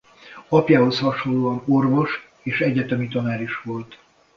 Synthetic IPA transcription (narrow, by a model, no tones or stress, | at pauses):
ɒpjaːɦo̞shɒʃolːoːɒno̞rvo̞ʃ | eːʃɛɟɛt̪ɛmit̪ɒnaːɾiʃʋo̞lt̪